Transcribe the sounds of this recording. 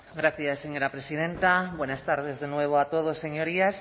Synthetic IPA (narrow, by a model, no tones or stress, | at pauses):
ɡɾaθjasːeɲoɾapɾesið̞ẽnt̪abwenast̪aɾðezðenweβ̞oat̪oð̞osːeɲoɾias